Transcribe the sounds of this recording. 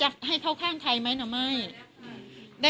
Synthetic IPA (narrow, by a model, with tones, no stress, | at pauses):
t͡ɕa˨˩k̚ɦa˥˩jkʰa˥˩wkʰaː˥˩ŋt̪ʰa˧jma˦˥jnaː˧˩ma˥˩j | da˥˩